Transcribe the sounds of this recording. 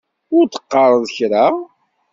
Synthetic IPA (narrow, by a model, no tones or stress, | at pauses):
ʊɾt̪ə̥qːɑrˤəðˤəçɾa